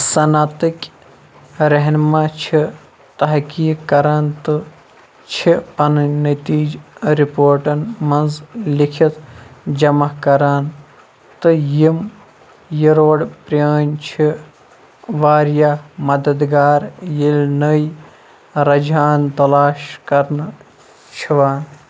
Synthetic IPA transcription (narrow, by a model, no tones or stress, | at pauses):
sɐnaːt̪ɨkʲ | ɾɐɦnmaːt͡ʃʰi | t̪ɐɦkiːkːɐɾaːnt̪ɨ | t͡ʃʰiɐnɨnɐt̪iːd͡ʒɾipoːɾʈɐnmɐnzlikʰit̪d͡ʒɐmɐkɐɾaːn | t̪ɨjim | jiɾoːɽpɾaːnt͡ʃʰi | ʋaːɾjaːmɐd̪ɐd̪ɡaːɾjilʲnəj | ɾɐd͡ʒaːnt̪ɐlaːʃkɐɾn | t͡ʃʰiʋaːn